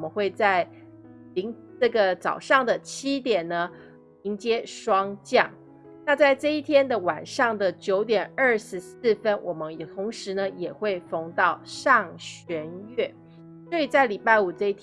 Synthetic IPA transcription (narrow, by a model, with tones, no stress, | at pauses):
mə˦nxwe˥˧ɪt͡sa˥˩ɪ | li˧˥ŋ | ɤ˥˩ɡə˩t͡sɑ˨˩ʊʂɑ˥˩ŋd̪ə˩t͡ɕʰi˥t̪jɛ˨˩nnə˦ | i˧˥ŋt͡ɕjɛ˥ʂwɑ˥ŋt͡ɕjɑ˥˩ŋ | na˥˧t͡sa˥˧ɪʈ͡ʂɤ˥˧i˥˩t̪ʰjɛ˥nd̪ə˨wa˨˩nʂɑ˥˩ŋd̪ə˩t͡ɕjo˧˥ʊt̪jɛ˨˩nə˥˩ʂɻ̩˧˥s̩˥˩fə˥nwɔ˨˩mə˦n˨˩t̪ʰʊ˧˥ŋʂɻ̩˧˦nə˧jɛ˨˩xwe˥˩ɪfo˧˥ŋt̪ɑ˥˧ʊʂɑ˥˩ŋɕɥɛ˧˥nɥɛ˥˩ | swɔ˧˥i˨˩t͡sa˥˩ɪli˨˩pa˥˩ɪu˨˩ʈ͡ʂɤ˥˧i˥˩